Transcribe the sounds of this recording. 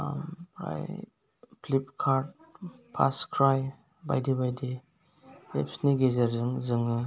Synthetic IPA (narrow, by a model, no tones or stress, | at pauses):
pa̰j | plip̚kʰaɾd̚ | pʰa̰skʰɾaj | ba̰jdibajdi | ḛpsniɡezaɾzɯŋzɯŋɯ